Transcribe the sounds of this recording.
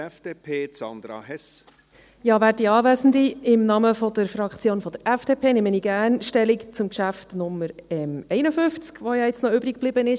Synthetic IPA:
ɛfd̥eːpʰeːt͡sɑ̰nd̪ɾɑ̰hɛs | jɑːvæːdiɑːvæːsn̩d̪iɪmnɑməfɔd̥̪əɾfɾɑkχt͡sjoːnfɔd̪əɾʔɛfd̥eːpʰeːneməniːɡ̥æːnʃtɛlikt͡sʊmkʃæftnʊmːəɾɛmɛɪnəfʏft͡skʋojɑɪt͡snɔʏbɾik̚b̥lɪbənɪʃ

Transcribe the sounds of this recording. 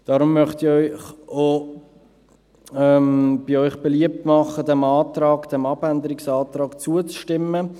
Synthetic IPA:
d̥ɑːɾʊmːœχtiɔʏχo | ɛmb̥iɔʏχb̥ɛliəp̚tmɑχədɛmɑːtɾɑːkd̥ɛmɑbænd̪əɾɪksɑːtrɑːkt͡suət͡sʃtɪmːə

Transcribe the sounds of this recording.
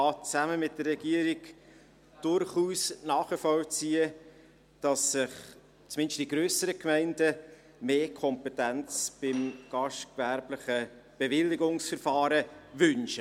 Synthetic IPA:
ɑːt͡sæməmɪt̚dərːɛɡ̥iəɾik | d̥ʊɾχuːsnɑːχəfɔwt͡siːə | d̥ɑsːɪχ | t͡smɪnʃtd̥iɡɾøːsəɾəkmɛɪndə | meːkʰɔmpɛtænt͡sb̥ɪmɡ̥ɑʃtkvæɾblɪχəb̥ɛvɪlːɪɡʊŋsfəɾfɑːɾəvʏnʃə

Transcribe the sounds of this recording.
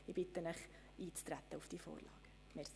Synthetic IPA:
ibɪt̪ənəχ | ʔiːt͡st̪ɾæt̪əʊfd̥iːfo̰ːɾlɑ̰ːɡ̥ə | mɛ

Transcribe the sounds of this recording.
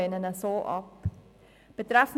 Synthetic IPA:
ənənəsɑːʔɑ̰p | b̥ətræfn

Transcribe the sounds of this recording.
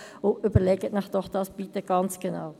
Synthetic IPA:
ʊybəlɛɡətmɪχd̥ɔχd̥ɑsb̥it̪əɡ̥ɑnt͡sɡ̥ena̰w

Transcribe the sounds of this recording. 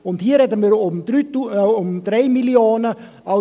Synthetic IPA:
ʊnthiːəɾɛdəmiːɾmdyʊmdɾeɪmiljoːnə | a

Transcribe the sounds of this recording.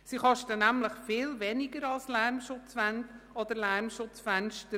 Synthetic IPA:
siχɑʃtənæmləχfɪːlvɛnɪɡəɾɑlslæɾmʃʊt͡sfændɔd̪əɾlæɾmʃʊt͡sfænʃtə

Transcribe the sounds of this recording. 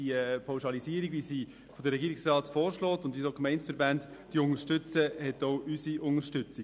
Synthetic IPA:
ipʰaʊwʃɑlisiːəɾiɡʋisi | fodəɾːɛɡiːɾiksrɑːtfɔːɾʃlɔːtʊndʋisoːkmɛɪnsfəɾbændd̥iʊŋəʃtʏt͡səhɛtoʊʔysiʊŋəɾʃtʏt͡si

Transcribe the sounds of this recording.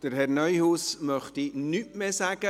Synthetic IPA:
d̥əɾɦɛrnœʏhuːsmœχtinytmeːsæɡ̥ə

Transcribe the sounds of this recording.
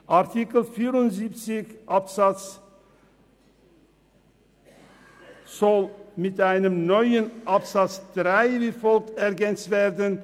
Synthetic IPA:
ʔaʁtʰikl̩fiːʁʊntziːpt͡sɪçʔapsat͡s | z̥ɔlmɪtʔaɪnəmnɔʏənʔapsat͡sd̥ʁaɪviːfɔlk̚tɛʁɡɛnt͡stv̥eːʁdən

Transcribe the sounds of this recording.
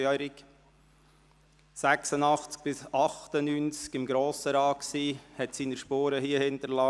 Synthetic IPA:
ɛɾɪk | sæksənɑχt͡sk̚b̥ɪsɑχtənyːnt͡skɪmɡɾoːsəɾɑːksiːhɛtsiːnəɾʃpoːɾəhiːəhɪnt̪əɾlɑː

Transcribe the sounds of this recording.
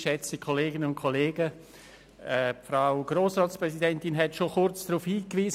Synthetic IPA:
ʃɛt͡səkʰoleːɡɪnəʊnkʰoleːɡə | ɛfɾaʊɡ̥ɾoːsʁɑːtspɾʁɛsidɛntɪnɦɛtʃoxʊɾt͡sd̥ɾuːfhiːkʋiːz

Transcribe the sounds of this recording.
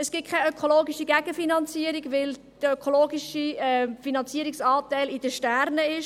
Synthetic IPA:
əsɡ̥ɪt̚kʰaøkʰoloːɡiʃiɡæɡ̥əfinɑnt͡siəɾiɡʋɪl | d̪̥əøkʰoloːɡiʃiɛfinɑnt͡siəɾiksɑːtæɪlɪd̥əʃtæɾnəɪʃ

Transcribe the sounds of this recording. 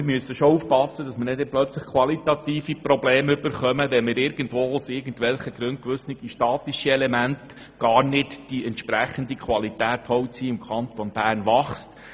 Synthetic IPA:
ɪɾmyəsːəʃouːfpɑsːəd̥ɑsməɾnɪdɛplœt͡sləχkʰʋɑlit̪ɑt̪iːfiprobleːmʏbəɾχœməʋɛnmɪːɾɪɾɡ̥ən̩tvoːʊsɪɾɡən̩tʋɛlχəɡɾʉnt̚kʋɵsnɪd̥iʃtɑːt̪iʃiɛlɛmænt | ɡ̥ɑːɾnɪtd̥iɛntʃpɾæχəndikʰʋɑlitæːthɔwtsiːɪmkʰɑnt̪onb̥æːrnʋɑχst

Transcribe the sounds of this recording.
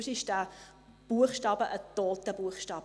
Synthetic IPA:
sɪʃdæ | b̥uəχʃtɑːbəʔət̪oːt̪əb̥uəχʃtɑːb

